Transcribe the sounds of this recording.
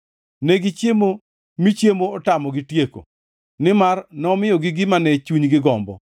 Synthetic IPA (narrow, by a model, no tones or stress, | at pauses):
neɡit͡ʃjemo | mit͡ʃjemoɔtamɔɡɪtjeko̰ | nɪmarnɔmɪjɔɡɪɡɪmanɛt͡ʃuɲɡɪɡɔmbɔ̰